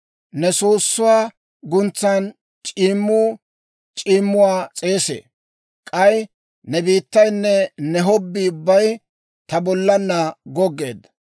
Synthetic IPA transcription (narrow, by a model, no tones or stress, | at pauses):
nɛsoːsːʊwaː | ɡʊnt͡sːaːn | t͡ʃʼiːmːʊ | t͡ʃʼiːmːʊwaːt͡sʼe̞ːsḛː | kʼɐj | nɛbiːt̪ːɐjnːɛnɛɦɔbːiʊbːɐj | t̪ɐbɔlːɐnːɐɡɔɡːe̞̰ːd̪ɐ